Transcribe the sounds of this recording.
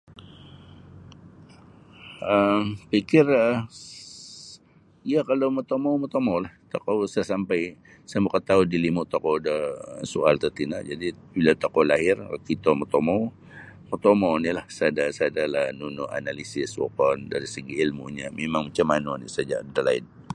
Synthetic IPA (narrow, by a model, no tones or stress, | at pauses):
əmpikɪrə | iakalowmot̪omawmot̪omowlaht̪okowsasampaj | səmukət̪audilimʊʔt̪okodəsualt̪ət̪ina̰ʔd͡ʒadibilat̪okolaɦɪr̰kit̪omət̪omaw | mot̪omownilahsadasadalanunʊʔa̰nalisɪswɔ̰kɔnda̰ɾisəɡiːlmṵɲamemaŋmat͡ʃamːanonḭsad͡ʒa̰d̪əla̰ɪ̰n